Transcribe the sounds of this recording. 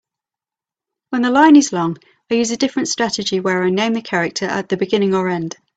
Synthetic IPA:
wə̃nðəlãɪ̃nɪzlɒ̃ŋ | aɪjʉːzədɪfɹə̃ntstɹ̥atɪd͡ʒɪwəɹaɪnẽɪ̃mðəkʰaɹɪk̚tʰəɹə̰ʔðəbɪɡɪ̃nɪ̃ŋəɹɛ̃nd̥

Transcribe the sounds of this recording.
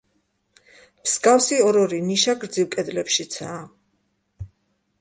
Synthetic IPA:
msɡafsiɔɾɔɾiniʃaɡɾd̪ziwkʼɛd̪lɛpʃit̪sʰaː

